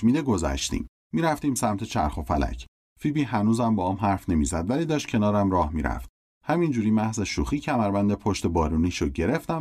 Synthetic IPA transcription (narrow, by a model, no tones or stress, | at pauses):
miːd̪eɡo̞zæ̰ʃt̪ḭːmːiːɾæft̪iːmsæmt̪ʰe̞t͡ʃʰæ̰ɾxo̞fælæ̰cʰ | fiːbiːɦænuːzæmbɒːɒːmɦæɾfne̞miːzæd̪væliːd̪ɒːʃt̪̚cʰe̞nɒːɾæmɾɒːhmiːɾæ̰ft̪̚ | hæmind͡ʒuːɾiːmæhze̞ʃuːxiːcʰæmæɾbænd̪epʰo̞ʃt̪e̞bɒːɾuːniːʃoɟe̞ɾe̞ft̪æ